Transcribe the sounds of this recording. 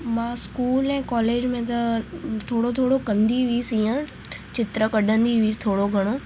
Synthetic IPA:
mãːskuːlɛ̃ːkɔːleːd͡ʑmẽt̪ɐt̪ʰoːɽot̪ʰoːɽokɐ̃nd̪iʋiːsĩːə̃ | t͡ɕɪt̪ɾəkɐɗə̃nd̪iʋiːt̪ʰoːɽoɡʱɐɽ̃oː

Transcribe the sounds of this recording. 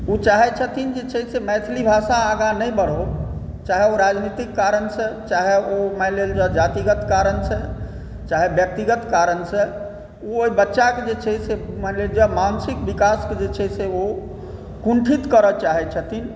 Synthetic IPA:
ut͡ʃaɦɛt͡ʃʰət̪ʰind͡ʒet͡ʃʰɛsemɛt̪ʰlibʱasaːɡãnəjbəɽ̤ɦo | t͡ʃaɦeoɾad͡ʒnit̪ikːaɾənset͡ʃaɦeomɛleld͡ʒəd͡ʒat̪iɡət̪kaɾənt͡ʃʰe | t͡ʃaɦebjək̚t̪iɡət̪kaɾənse | ooibətːʃaked͡ʒet͡ʃʰɛsemɛleld͡ʒəmansikbikasked͡ʒet͡ʃʰɛseo | kuɳʈʰit̪kəɾət͡ʃaɦɛt͡ʃʰət̪ʰin

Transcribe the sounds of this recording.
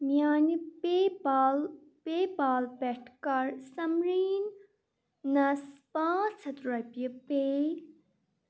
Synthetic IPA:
mjaːnipebaːl | peːbaːlpeʈʰkɐɾsɐmɾiːnː | ɐspãːt͡sʰɐt̪ɾɐpjɐpeː

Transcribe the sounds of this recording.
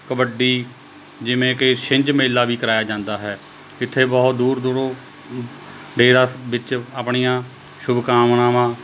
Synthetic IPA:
kəbəɖiː | d͡ʒɪʋẽːkɪʃɪɲd͡ʒmeːlːaːʋiːkəɾaːjaːd͡ʒãːnd̪aːɦɛː | ɪt̪ʰːeːbɔːt̪d̪uːɾd̪ʊɾoː | ɖeːɾaːʋɪt͡ʃaːpɳijãː | ʃʊbkaːmnaːmãː

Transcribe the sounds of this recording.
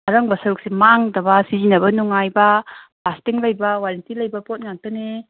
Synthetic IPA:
aɾɐŋbɐsɐɾuk̚semaŋdɐbɐsizinɐbɐnuŋajbɐplastiŋlɐjbɐwaɾɐntilɐjbɐpot̚ŋaŋ̚tone

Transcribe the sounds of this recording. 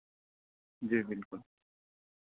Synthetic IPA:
d͡ʑibilkʊl

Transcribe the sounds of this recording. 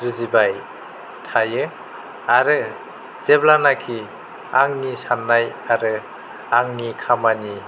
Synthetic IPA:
ɾɯzibaj | tʰajɯ | aɾɯ | z̥eblanakʰi | aŋnisanːajaɾɯ | aŋnikʰamani

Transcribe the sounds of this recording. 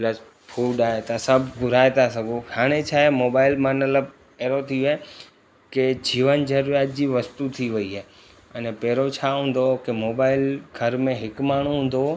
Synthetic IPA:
pləs | fʰuːɖaːɦet̪asɐbʱɡʊɾaːet̪asɐɡohaːɽ̃et͡ɕʰaːemoːbaːɪlmə̃nələb | eːɾot̪ʰioe | ked͡ʑiːʋənd͡ʑɐɾɾijaːt̪̚d͡ʑiːʋɐst̪ut̪ʰiʋɐiɦɛː | ənepɛːɾot͡ɕʰaɦũːn̆d̪okemoːbaːɪlɡʱɐɾmẽɦɪkmaːɳ̤̃ũɦũːn̆d̪o

